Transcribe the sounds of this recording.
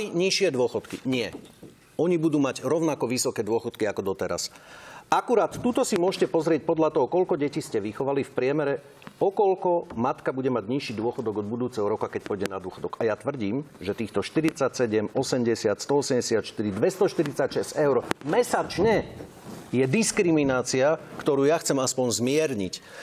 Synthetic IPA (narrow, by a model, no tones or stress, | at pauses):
iɲiʃɪɛd̪ʊɔxɔt̪kiɲɪɛ | ɔɲibud̪uːmaɟɾɔʊnakɔʋisɔkɛːd̪ʊɔxɔt̪kiakɔd̪ɔt̪ɛɾa̰sʔakuɾaːt̪ːuːt̪ɔsimʊɔʃcɛpɔzɾɪɛc̚pɔd̪ʎat̪ɔɦɔkɔlkɔɟɛciscɛʋixɔʋalifpɾɪɛmɛɾɛ | ɔkɔlkɔmat̪kabuɟɛmaɟɲiʃiːd̪ʊɔxɔd̪ɔɡɔd̪̚bud̪uːt͡sɛɦɔɾɔkakɛc̚pɔjɟɛnad̪ʊɔxɔd̪ɔɡajat̪ʋr̩ɟiːmʒɛt̪iːxt̪ɔʃt̪iɾit͡sacsɛɟɛmɔsɛmɟɛsɪat̪st̪ɔɔsɛmɟɛsɪat̪ʃt̪iɾid̪ʋɛst̪ɔʃt̪iɾit͡sacʃɛzɛʊɾmɛsat͡ʃɲɛ | jɛd̪iskɾiminaːt͡siakt̪ɔɾuːjaxt͡sɛmaspɔɲzmɪɛɾɲic